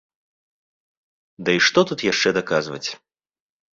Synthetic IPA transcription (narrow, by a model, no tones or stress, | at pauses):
d̪ɐiʂt̪ɔt̪ut̪jaʂt͡ʂɛd̪akazvɐ̰t͡sʲ